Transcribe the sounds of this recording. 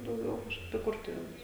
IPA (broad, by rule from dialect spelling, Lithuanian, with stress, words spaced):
dɐʊˈɡʲɛʊ kɐʃˈkɐɪp ɪ ˈkʊrtʊʋʲeːnʊs